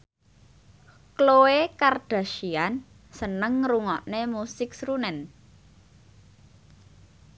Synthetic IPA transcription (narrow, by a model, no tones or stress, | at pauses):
klowekard̥a̤ʃian | sənəŋruŋɔʔnemusɪk̚sɾunɛn